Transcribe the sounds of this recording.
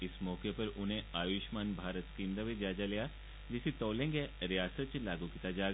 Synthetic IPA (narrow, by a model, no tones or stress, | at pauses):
ɪsmɔːkepɐɾʊnɦẽaːʋɪʃmaːnbʱaːɾət̪skiːmd̪aʋed͡ʒaːd͡ʒalija | d͡ʒɪsit̪ɔːlẽːŋɡeɾijaːsət̪̚t͡ʃlaːɡukiːt̪ad͡ʒaːɡ